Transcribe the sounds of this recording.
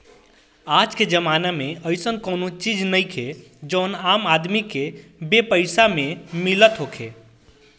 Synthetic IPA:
ad͡ʒked͡ʒəmanameəjsənkənot͡ʃid͡ʒnəjkʰe | d͡ʒəwnamad̪mikebepəɪsamemilət̪ɦokʰe

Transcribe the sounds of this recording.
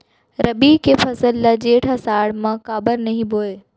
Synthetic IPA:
ɾɐbikʰefɐsəlːɐd͡ʑeːʈʰɦɐsaːɽmãkaːbəɾnɐɦĩboːe

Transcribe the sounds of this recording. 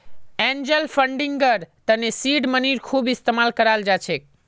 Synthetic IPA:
end͡ʒəlfəɳɖiŋɡəɾt̪ənesiɖməniɾkʰubɪst̪emalkəɾald͡ʒat͡ʃʰe

